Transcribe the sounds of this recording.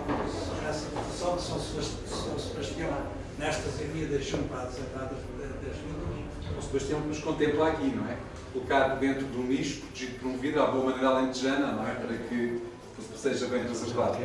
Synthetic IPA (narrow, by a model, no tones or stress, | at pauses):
sɔnɛsɐsɔ̃sɐ̃sbɐʃt̪ | sõsɐʃt̪jõ | nɛʃt̪ɐsɐmiɐðɐjʃɐ̃w̃pɾaðzẽt̪aɾðɐfɐzeɾɐt̪ɛʒvĩnd̪ˠɐʃ | oʒd̪̚pojʃt̪iɲɐ̃knuʃkõnt̪ẽmplˠaɾɐkinɐ̃w̃ɛ | kulˠukaɾpɾðẽnt̪ɾuðũniʃu̥pɾut̪ʒiðpɾũmuviðaβoɐmɐneɾalˠẽnt̪ɨʒɛnɐnɐ̃w̃ɛpɐɾɐkɨ̥ | seʒɐβɐ̃j̃t̪ɾɐsɐɾðað